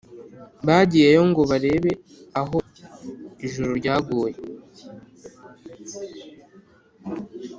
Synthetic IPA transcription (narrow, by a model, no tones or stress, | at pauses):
βaːɟijejo̞ŋɡo̞βaɾe̞ːβe̞ | aɦo̞ | iʒuɾuɾɟaːɡuːje